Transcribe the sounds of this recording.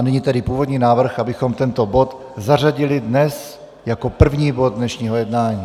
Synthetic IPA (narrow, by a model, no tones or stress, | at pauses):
nɛɲiːt̪ɛdɪpuːvo̞d̪ɲiːnaːvr̩xʔabɪxo̞mt̪ɛnt̪o̞bo̞t̪ | zar̝aɟɪlɪdnɛs | jako̞pr̩vɲiːbo̞d̪̚dnɛʃɲiːɦo̞jɛdnaːɲiː